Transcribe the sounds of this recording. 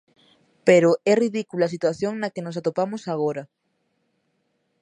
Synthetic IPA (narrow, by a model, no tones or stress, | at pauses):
peɾoɛriðikulas̬it̪waθjoŋnɐkenosat̪opamosaɣ̞oɾɐ